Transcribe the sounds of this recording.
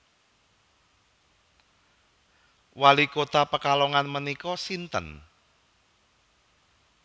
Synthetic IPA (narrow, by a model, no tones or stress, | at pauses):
walikot̪apəkalɔŋanmənikɔsint̪ə̰n